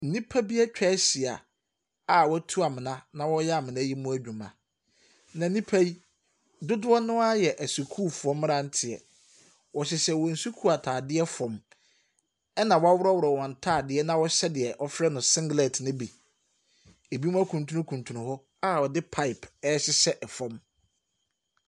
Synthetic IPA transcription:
n̩˦nĩ˦pʰa˦bi˦a˦t͡ɕᶣʰɛ˦ɕi˨a̰˨ | a˦˨wɔ˦tʰu˦a˨mɪ̃˨nã˦nã˦wɔ˦jɛ˦a˨mɪ̃˨nã˦ji˦mũ˦æ˦d͡ʑᶣũ˨mã̰˨ | nã˨˦nĩ˦pʰæ˦ji˦ | dʊ˦dʊ˦ɔ˦nʊ̃˦a˦jɛ˨ʔæ˨si˨kʰuː˦fʊ˨ɔ̃˦mː˦ɾã˦n̩˦tʰɪ˨ɛ̰˨ | wɔ˨ɕɪ˨sɛ˦wɔ˨n̩˨su˦kʰu˦a˨tʰaː˨dɪ˦ɛ˦fɔ̃˨m | ɛ˦nã˨wɔ˦a˦wʊ˦ɾɔ˦wʊ˨ɾɔ˨wɔ̃˨n̩˨tʰa˦˨dɪ˦ɛ˦nã˦wɔ˦ɕɛ˦dɪ˨ɛ˨ʔɔ˦fɾɛ˦nʊ̃˨sɪ̃˦ŋɡlɛ˨tnʊ̃˦bi˨ | e˨bi˦mũ˦æ˦kʰũ˨ntʰũ˦nʊ̃˦kʰũ˨ntʰũ˨nʊ̃˦hɔ˦ | a˦wɔ˨dɪ˦pʰa˦ɪ˨pʰɛ˦ɕɪ˦ɕɛ˦ʔɛ˨fɔ̃˦m

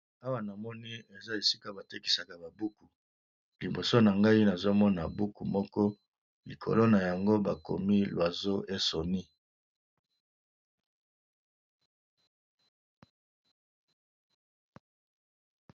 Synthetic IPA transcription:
a˦wa˦na˨mɔ˦ni˦e˨za˦e˨si˦ka˦ba˨te˦ki̥˨sa˨ka˨ba˨bu˦ku˨ | li˨bo˨so˦na˨ŋɡa˦i˦na˨zo˦mɔ˦na˨bu˦ku˨mɔ˦kɔ˦ | lḭ˨kʰo̰˨lo˦na˨ja˨ŋɡo˦ba˨ko̰˨mi˦lwa˨zo˦ʔe˦so˨ni˦

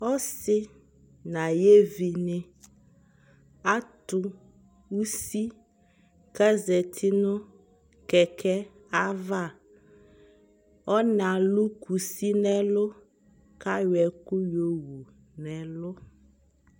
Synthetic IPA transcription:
ɔ˦sɪ˦ | nã˨je˦vi˨nɪ̃˨ | a˦t̪ʊ˦ | wu˦si˦ | kɛ˦zɛ˨t̪ʰi˦nʊ̃˦ | kɛ˨kʰɛ˦ | a˦va˦˨ | ɔ˦nã˨lu˦ku˨si˦nɛ̃˦lʊ˦ | ka˦jɛ˨ku˦jo˨wu˨ | nɛ̃˨lʊ˦

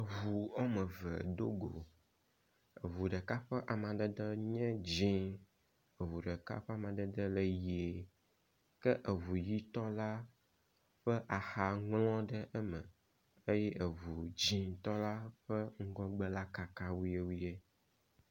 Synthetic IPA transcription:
ə˨vu˨ɔ˦mə̃˨və̰˨d̪o˦ɡo˨ | ə˨vu˨ɖə˨ka˦ɸə˦ʔa˨mã˨d̪ə˦d̪ə˦ɲɛ̃˦d͡ʑĩ˦ | ə˨vu˨ɖə˨ka̰˦ɸɛ˦a˨mã˨ɖ̪ə˦d̪ə˦lə˦ji˨e˨ | kə˦ʔə˨vu˨ji˦t̪ɔ˦la˦ | ɸə˦ʔa˨xa˨ŋlɔ̃˦ɖə˦ʔə˦mə̃˨ | ə˦jɛ˦ʔə˨vu˨d͡ʑĩ˦t̪ɔ˦la˦ɸə˦ŋ̩˦ɡɔ̃˦ɡ͡bə˦la˦ka˨ka˦wu˦je˦wu˦je˦

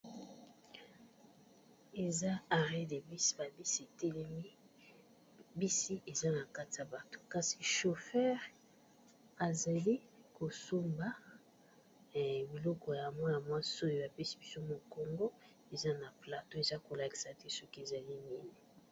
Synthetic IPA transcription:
e˨za˦a˨ʁe˦de˨bi˦si̥˦ba˨bi˦si˦e˨tɛ˦lɛ˦mi˦ | bi˦si˦ʔe˨za˦na˨ka˦ti˨a˨ba˨to̥˨ka˨si˨ʃo˨fɛ˦ʁ | a˨za˨li˦ko˨su˦mba˨˦ | bi˨lɔ˦kɔ˨ja˨mwã˦ja˨mwa˦so˦˨jo˨˦a˨pɛ˦si̥˦bi˦so˦mo˨ko˨ŋɡo˦ | e˨za˦na˨pla˨to˦e˨za˦ko˨la˨ki̥˨sa˨te˦sɔ˦ki˦e˨za˨li˦ni˦ni˨

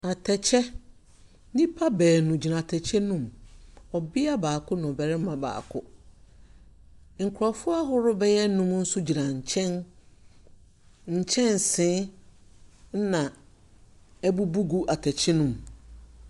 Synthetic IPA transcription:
a˨tʰɛ˨t͡ɕʰɛ˦ | nĩ˦pʰa˦bɛː˨nũ˨d͡ʑi˨nã˨tʰɛ˨t͡ɕʰɛ˦nũ˦mɔ˨bɪ˦a˦baː˨kʰʊ˦nʊ̃˨bɛ˨ɾɪ˦m˦mã˨ba̰ː˨kʰʊ˦ | ŋ̩˨kʰʊ˨ɾa˨fʊ˦a˦ɦʊ˦ɾʊ˦bɛ˦jɛ˦n˦nũ˦m˦n̩˦sʊ˦d͡ʑi˨nã˨ɲ̩˨t͡ɕʰɛ̃˦n | ɲ̩˨t͡ɕʰɛ̃˦n˨sɪ̃˨˦ | nã˨ | ɛ˦bu˦bu˦ɡu˦ʔa˨tʰɛ˨t͡ɕʰɛ˦nũ˨m

